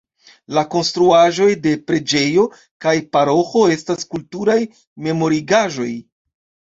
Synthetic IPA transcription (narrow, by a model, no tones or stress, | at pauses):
lako̞nstɾuaʒo̞jde̞pɾe̞d͡ʒe̞jo̞ | kajpaɾo̞xo̞e̞staskultuɾaj | me̞mo̞ɾiɡaʒo̞j